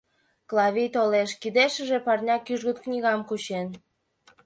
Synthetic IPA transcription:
klˠɑβʲijt̪oleʃkid̪eʃə̆ʒe̽pɑrnʲɑkyʒɣət̪knʲiɣɑmkut͡ɕen

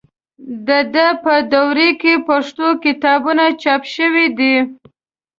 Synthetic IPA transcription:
d̪əd̪əpəd̪awɾekepaʂt̪okɪt̪ɑbunat͡ʃɑpʃəwid̪i

